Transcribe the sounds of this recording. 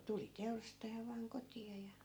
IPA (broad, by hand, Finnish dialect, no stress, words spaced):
tuli teurɑstɑjɑ ʋɑːŋ kotiɑ jɑ